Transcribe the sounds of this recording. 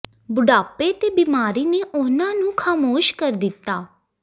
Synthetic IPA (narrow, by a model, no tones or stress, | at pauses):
bʊɖaːpeːt̪eːbiːmaːɾiːneːʔʊnãːnũːkʰaːmoːʃkəɾd̪ɪt̪ːaː